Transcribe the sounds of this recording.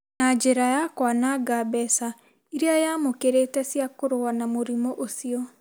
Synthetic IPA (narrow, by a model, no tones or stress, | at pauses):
nad͡ʒeɾajakwanaɡabɛsa | iɾeajamokeɾeːtɛsiakoɾowanamoɾimɔʔosiɔ